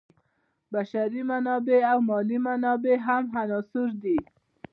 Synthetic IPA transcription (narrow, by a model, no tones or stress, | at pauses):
baʃaɾimanɔbeawmɔlimanɔbeɦamɦanɔsuɾd̪i